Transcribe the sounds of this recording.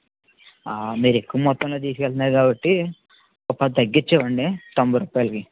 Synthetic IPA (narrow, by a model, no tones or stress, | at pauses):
aːmiːɾe̞kːuʋɐmɔt̪ːɐmlo̞ːt̪iːsu̥kɛlt̪unaːɾɡaːbɐʈːi | kɔpːɐd̪ɐɡːit͡ʃːɛːʋɐɳɖit̪ɐmbuɾuːpaːjɐlɐki